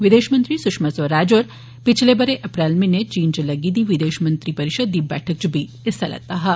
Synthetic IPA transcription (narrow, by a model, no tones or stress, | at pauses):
ʋɪd̪eːʃmɐ̃nt̪ɾisʊkʂmɐsʋɐɾaːd͡ʒoɾ | pit͡ʃʰlebɐɾeʔɐpɾaːlminet͡ʃiːnd͡ʒlɐɡiːd̪iʋid̪eːʃmɐnt̪ɾipɐɾɪʃəd̪ːibɛ̰ːʈʰɐk̚t͡ʃubʱi | ɪst̪ʰɐlɐ̰t̪aɦɐ